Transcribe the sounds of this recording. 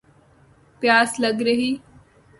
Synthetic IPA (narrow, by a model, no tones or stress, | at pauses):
pjaːsləɡɾəɦiː